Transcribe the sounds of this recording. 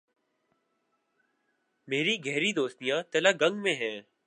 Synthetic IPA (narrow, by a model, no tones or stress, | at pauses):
meːɾiːɡʱəɦɾiːd̪oːst̪ijãːt̪əlaːɡəŋɡmẽːɦɛː